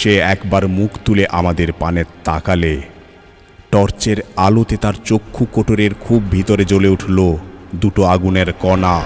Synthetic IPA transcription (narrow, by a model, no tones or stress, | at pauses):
ʃeɛkbaɾmukʰt̪uleʔamad̪eɾpanet̪akale | ʈɔɾt͡ɕeɾalot̪et̪aɾt͡ɕokʰːukoʈoɾeɾkʰubbʱit̪oɾed͡ʑoleuʈʰlod̪uʈoaɡuneɾkɔna